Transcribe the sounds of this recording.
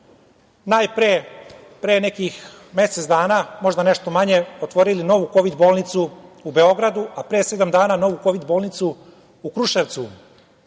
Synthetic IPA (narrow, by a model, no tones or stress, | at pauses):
najpɾe | pɾeːnekix | me̞set̪sd̪aːnaːmo̞ʒd̪aneʃt̪o̞maɲe̞ot̪ʋo̞ɾilino̞ʋuko̞ʋid̪bo̞ːlˠnit̪suube̞o̞ɡɾad̪uʔapɾeːsed̪amd̪aːnaːno̞ʋuko̞ʋid̪boːlˠnit̪su | ukɾuʃeʋt̪su